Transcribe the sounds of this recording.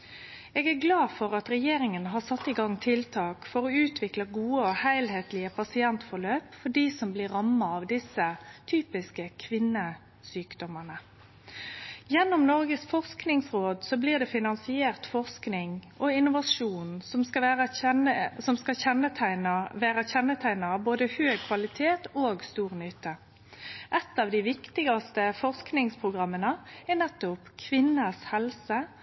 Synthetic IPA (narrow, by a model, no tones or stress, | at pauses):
eːɡæɾɡlɑːfɔɾɑt̪ɾɛjeːɾɪŋənɦɑsɑt̪ːɪɡɑŋːt̪ʰɪlt̪ʰɑːkfɔɾɔʉːt̪ʰʋɪkləɡuːəɔhæɪlheːt̪lɪəpʰɑsɪɛnt̪fɔɾɭøːpfɔɖiːsɔmblɪɾːɑmːɑɑʋd̪ɪsət̪ʰyːpɪskəkʰʋɪnːə | syːkd̪ɔmənə | jɛnːɔmnɔɾɡəsfɔʁsknɪŋsɾoːd̪sɔbliːʁd̪ɛfɪnɑnsɪeːʁt̪fɔʁsknɪŋʔɔɪnʊʋɑʂuːnsɔmsɑæːʁə | sɔmskɑçɛnːət̪ʰæɪnʋæːɾəçɛnːət̪ʰæɪnɑɑboːd̪əhøːɡ̚kʰʋɑlɪt̪ʰeːt̪oːɡst̪uːʁnʏt̪ʰːə | ʔɛt̪ːɑːʋd̪ɪʋɪkt̪ɪɡɑst̪əfɔʁsknɪŋspʰʁʊɡʁɑmːənəɛnɛt̪ːʊpkʰʋɪnːəshɛlsə